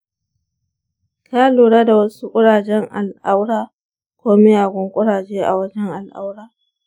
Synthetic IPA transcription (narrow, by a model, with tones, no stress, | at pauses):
kaː˦loː˨ɽaː˦da˨wɐ˦su˦kʷʼʊ˦ɽaː˨d͡ʒɛ˦ŋʔa̰˨lʔa˦wɽaː˦ | kʷoː˦me˦jaː˨ɡʷɔ˦ŋkʷʼʊ˦ɽaː˨d͡ʒeː˦ʔa̰˨wɐ˦d͡ʒɛ˦ŋʔa˨lʔa̰˦wɽaː˦